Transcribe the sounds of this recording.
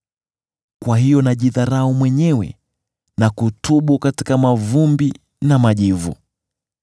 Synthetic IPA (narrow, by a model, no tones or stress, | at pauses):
kwaɦijɔnaʄiðaɾaumwɛɲɛwɛ̰ | nakutuɓukati̥kamavumbi | namaʄivṵ